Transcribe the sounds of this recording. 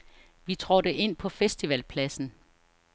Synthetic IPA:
ʋit͡sʰʁɔd̥əʔe̝n̰pʰɒ̽fesd̥iʋælpʰlæsn̩

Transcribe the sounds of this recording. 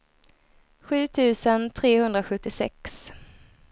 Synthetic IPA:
ɧʉ̟ːt̪ʰʉ̟ːsənt̪ʰɾeːhɵnd̪ɾaɧɵt̪ːɪsɛ̰ks

